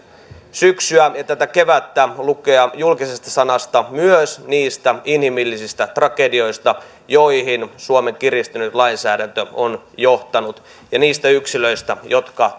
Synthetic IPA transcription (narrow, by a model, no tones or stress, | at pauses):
syksyæjɑt̪æt̪ækeʋæt̪ːælukeɑjulkisest̪ɑsɑnɑst̪ɑmyøsniːst̪æinhimilːisist̪æt̪rɑkedio̞ist̪ɑ | joihinsuomeŋkirist̪ynyt̪lɑinsæːdænt̪øon | joht̪ɑnut̪ | jɑniːst̪æyksiløist̪æjot̪kɑ